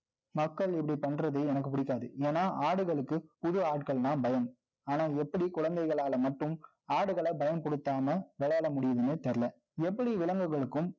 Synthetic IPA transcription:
mɐkːɐɭɪpːɐɽipɐɳːɾɐðɐɪɛnɐkːɯpʊɽɪkːaːðɯ̰eːnaːʔaːɽɯɣɐɭɯkːɯpʊðɯaːʈ̚kɐɭnaːmbɐjɐm | aːnaːɛpːɐɽikʊɻɐnd̪ɐɪɣɐɭaːlɐmɐʈːɯm | aːɽɯɣɐɭɐbɐjɐmpɔɽɯt̪ːaːmɐʋɛɭɐːlɐmʊɽɪjɐðɯnɯt̪ɛɾɪlɐ | ɛpːɐɽiʋɪlɐŋɡɯɣɐɭɯkːɯm

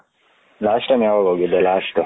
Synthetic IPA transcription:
laːʂʈɐmjaːʋɐɡɦoːɡid̪ːelaːʂʈu

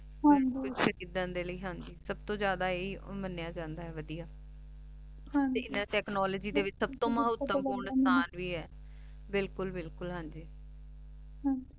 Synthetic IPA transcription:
kʊt͡ʃʃəɾiːd̪ənd̪eːləiːɦãnd͡ʒiːsəb̚t̪õːd͡ʒjaːd̪aːeːiːmənːjaːd͡ʒãːnd̪aːɦɛːʋəd̪ijaː | ãteːɪnːãʈɛːknɔːləːd͡ʒiːd̪eːʋɪt͡ʃsəbt̪õːməɦʊt̪ːəmkuːnst̪aːnʋiːɦɛː | bɪlkʊlbɪlkʊlɦãːɲd͡ʒiː | ɦãd͡ʒ

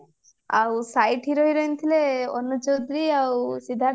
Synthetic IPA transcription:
awsajʈɦiɾɔɦiɾɔjnt̪ʰileɔ̰nːud͡ʒowd̪ɾiawsid̪ʱa

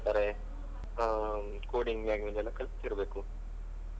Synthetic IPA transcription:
t̪aːɾe | koːɖiŋɡmaːɡminɛlːɐkʰɐlpt̪iːɾɐbeːku

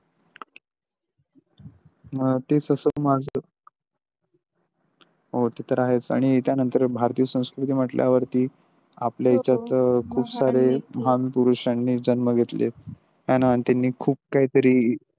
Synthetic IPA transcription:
t̪et͡səsəmad͡zʱə | ɦot̪et̪əɾaɦet͡sa̰ɽ̃it̪janənt̪əɾbʱaɾt̪ijəsə̃w̃skɾut̪iːm̤əʈlja̰ʋəɾt̪iː | apljait͡ɕjat̪kʰuːbsaɾeməɦanpuɾuɕanːiːd͡ʑənməɡʱet̪lḛ | ɦjanaant̪anːiːkʰuːp̚kaɦiːt̪əɾiː

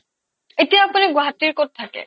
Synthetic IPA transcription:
etijaːpuniɡwaɦatiɹkot̚tʰːakɛ̰

